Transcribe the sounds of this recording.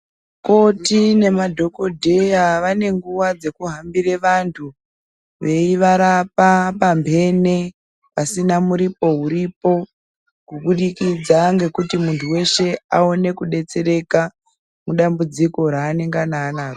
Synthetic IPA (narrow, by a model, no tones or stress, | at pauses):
ko̞tine̞madʱo̞ko̞dʱe̞jaʋane̞ŋɡuʋad͡ze̞kuɦambire̞ʋantʰu | ʋe̞iʋaɾapapambʱe̞ne̞ | pasinamuɾipo̞ɦuɾipo̞ | kuɓuɗikid͡zaŋɡe̞kutimuntʰuwe̞ʃe̞ao̞ne̞kuɗe̞t͡se̞ɾe̞ka | muɗambud͡ziko̞ɾaːneŋɡanaːnaːko